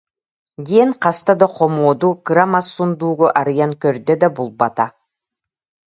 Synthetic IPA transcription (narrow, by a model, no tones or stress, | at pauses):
ɡiɛnqast̪ad̪aqʰɔmuɔd̪ukɯɾamasːund̪uːɡɔʔaɾɯjaŋkœɾd̪ɛd̪abulˠbat̪a